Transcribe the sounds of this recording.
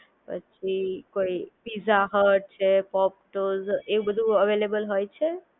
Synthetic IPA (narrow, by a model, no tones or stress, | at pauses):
ə̰t͡ʃʰikoipizaɦəʈ̚t͡ʃʰepɔp̚ʈozeubəd̪ʱuəʋelebəlɦojt͡ʃʰe